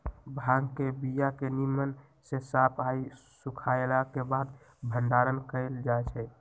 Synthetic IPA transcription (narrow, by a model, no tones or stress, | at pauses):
bʱãɡkebijakenimən | sesapʰaisukʰaelakebad̪ | bʱənɖaɾənkəɪld͡ʒaet͡ʃʰɛ